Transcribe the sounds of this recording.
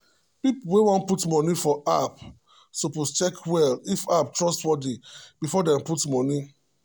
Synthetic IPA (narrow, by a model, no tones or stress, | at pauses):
pipuwewɔ̃ntputmɔnifɔap | sopost͡ʃɛkʰwɛlifap̚tɹɔstwɔdib̥ifɔdɛ̃mputmɔ̃ni